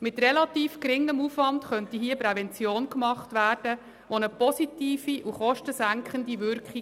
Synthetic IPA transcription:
mɪt̪rɛlɑt̪iːfkɾɪŋːəmufvʋɑntχœntiɦiːəpɾɛvɛnt͡sjoːnkmɑχtʋæːrd̥ə | ʋonəpɔsitiːfiʔuχɔʃtəsæŋkχəndiʋʏɾkχi

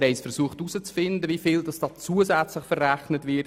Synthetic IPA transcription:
ɾɛɪsfəɾsuəχtusət͡sfɪndəvifɪldɑsd̥ɑːt͡suəzɛt͡sləχfərːæχnətʋɪt

